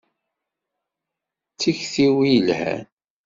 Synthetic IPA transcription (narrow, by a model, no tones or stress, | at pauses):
t͡sːiçθiwijlhæ̰n